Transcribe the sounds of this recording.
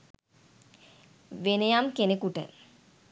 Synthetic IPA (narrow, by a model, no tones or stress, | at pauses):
ʋenejamkenekuʈə̰